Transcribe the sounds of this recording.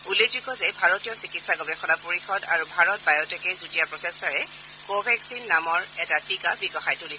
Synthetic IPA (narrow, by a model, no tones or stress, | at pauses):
ulezukɔzɛbʱaɹɔtijɔsikitsaɡɔbɛxʰɔnapoɹixɔda̰ɹubʱaɹɔt̚bajɔtɛkɛzutijapɹɔsɛstaɹɛ | kobʱɛksinːamɔɹɛtatikabiɡɔxajtulisɛ